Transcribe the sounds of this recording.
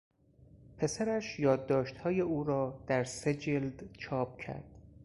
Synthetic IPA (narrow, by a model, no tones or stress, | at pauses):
pʰe̞sæɾæʃjɒːd̪ːɒːʃt̪hɒːje̞ʔuːɾɒːd̪̥æɾse̞d͡ʒeld̪̥t͡ʃʰɒːp̚cʰæ̰ɾd̪̥